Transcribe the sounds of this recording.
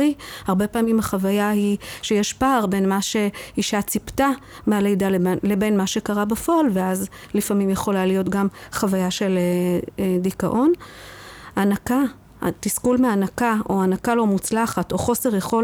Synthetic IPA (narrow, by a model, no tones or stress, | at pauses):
ihaʁbe̞paːmimhaχavajahiʃejeʃpaːʁbe̞nmaʃe̞iʃat͡sipta | meale̞jdale̞be̞nmaʃe̞kaʁabafo̞alveaz | lifamimjeχo̞lalijo̞tɡamχavajaʃe̞ledika̰ʔo̞n | anaka | tiskulmeanakao̞anakalo̞mut͡slaχato̞χo̞se̞ʁjeχo̞